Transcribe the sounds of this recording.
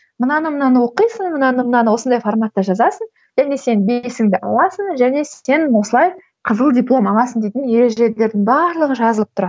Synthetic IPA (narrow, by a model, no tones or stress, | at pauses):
mənɑnəmənɑnəwoqijsənmənɑnəmənɑnəwo̞snd̪ɑjformat̪ːɑʒɑzɑsən | ʒ̥æne̞se̞nbesɪŋd̪ɪʔɑ̰lˠɑsənʒæne̞se̞nwo̞səlˠɑj | qʰəzəlˠdʲijplˠo̞mɑlˠɑsənd̪ejt̪ɪnje̞ɾe̞ʒele̞ɾd̪ɪŋbɑɾlˠəʁəʒɑzəlˠəp̚t̪ʰʊɾɑd̪